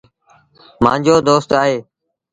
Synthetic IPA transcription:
mã̰ːɲd͡ʒoːd̪oːst̪aːɦeː

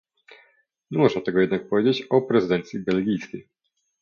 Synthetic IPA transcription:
ɲɛmuʐat̪ɛɡɔjɛd̪nak̚pɔvʲed͡ʑet͡ɕɔpɾɛzɨd̪ɛnt̪sʲjibɛlɡʲijskʲej

